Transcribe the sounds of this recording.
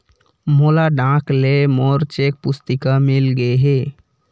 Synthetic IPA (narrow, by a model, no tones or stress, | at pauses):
molaɖãklemoɔɾt͡ʃek̚pust̪ikamilɡeɦe